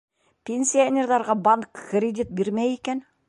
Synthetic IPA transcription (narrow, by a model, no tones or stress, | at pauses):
pʰʲe̞nsʲijanʲeɾd̪ɑɾʁɑbɑŋkkɾʲed̪it̪̚beɾmejekʲen